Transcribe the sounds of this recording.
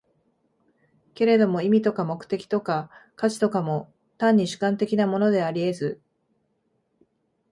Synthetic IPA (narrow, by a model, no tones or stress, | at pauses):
ke̞ɾe̞d̪o̞mo̞imʲit̪o̞kamo̞kɯ̥t̪e̞kʲi̥t̪o̞kakat͡ɕi̥t̪o̞kamo̞ | t̪ãɲ̟ːiɕɨ̥kãnt̪e̞kʲinamo̞no̞d̪e̞aɾʲie̞zɨ